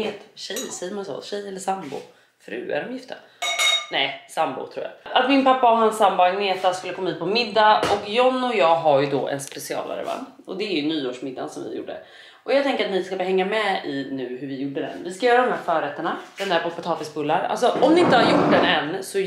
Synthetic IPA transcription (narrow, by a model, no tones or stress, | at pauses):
ɪt̪ɕɛjsɛjːəɾmansɔ̰ɕɛjːɛlːəsambʊ̰ | fɾʉ̟̰ːæ̰ɾɔmjɪft̪ə | nɛjsambʊ̰t̪ʰɾuːja̰at̪mɪnpapːaɔɦansːambʊaɡneːt̪askɵlːəkʰɔmːhʉt̪̚pʰɔmɪd̪ːaɔkjɔnːɔjɑːɡɦaɾjʉd̪ɔʔɛ̰nspɛsɪɑ̰ːla̰ɾɛ̰va̰nː | ɔd̪ɛæɾjɵnyːoːʂmɪd̪ːa̰nsɔ̰mvɪ̰jṵːɖːə̰ | ʔɔjɑɡt̪ʰɛŋkəɾat̪nɪskabhɛŋːamɛɪnʉ̟ːɦɵɾvɪjuɖːəd̪ɛ̰nvɪskajœːɾad̪ɔmhæɾfœːɾɛt̪ːəɳad̪̥ɛnd̪æɾpʰɔpɔt̪ʰɑːfɪsbɵlːaɾa̰ls̬ɔɔmnɪɪnt̪əhaɾjʊʈːd̪ɛnɛnːsɔ